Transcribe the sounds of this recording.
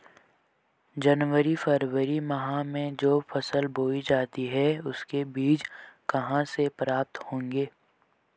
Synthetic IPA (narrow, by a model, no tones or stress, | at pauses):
d͡ʒɐnwəɾifəɾwəɾimɐɦãmẽd͡ʒoːfʰəsəlbʱoːid͡ʒaːt̪iɦɛʊskebiːd͡ʒkɐɦãsepɾaːp̚t̪hõːŋɡeː